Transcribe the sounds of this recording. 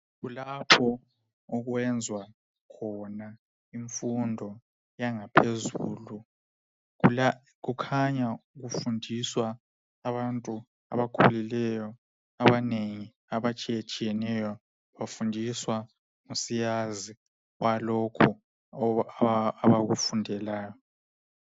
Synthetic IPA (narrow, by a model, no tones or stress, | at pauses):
ɣulapʰɔ | ɔɣwɛnd͡zʱwa | kʰɔna | iɱfundʱɔ | jaŋapʰezuːlu | ɣukʰaɲauɣufundʱiswaː | βantʼu | a̰βakʰulilɛjɔ | aβaneŋi | aβat͡ʃʼijat͡ʃʼijɛnɛjɔ | βafundʱiswa | ŋosijazi | walɔkʰɔ | aβaɣufundʱɛlaːjɔ